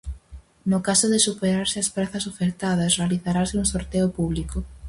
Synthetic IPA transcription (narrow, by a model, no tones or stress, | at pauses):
nʊkasoðɪsupeɾaɾsɪɐspɾaθɐsofeɾt̪að̞ɐsrealiθaɾasɪuŋsoɾt̪eʊpuβliko